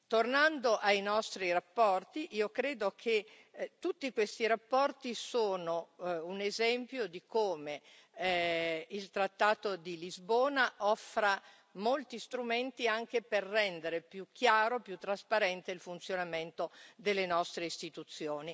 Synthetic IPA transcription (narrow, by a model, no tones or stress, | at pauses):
t̪ornand̪oʔajnɔst̪ɾiɾapːɔrt̪iʔiːokɾeːd̪okʰe | t̪ːut̪ːikwest̪iɾapːɔrt̪isoːnounezɛmpjod̪ikoːme | ilt̪ɾat̪ːaːt̪od̪ilizboːnaʔɔfːɾa | molt̪ist̪ɾument̪iaŋk̟eperːɛnd̪eɾepjuk̟ːjaːɾopjut̪ːɾaspaɾɛnt̪eilfunt̪sjonament̪od̪elːenɔst̪ɾeist̪it̪ut̪sːjoːni